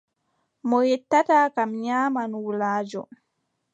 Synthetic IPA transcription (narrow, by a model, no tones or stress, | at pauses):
mɔjɛtːataːkamɲaːmanwulaːd͡ʒɔ̰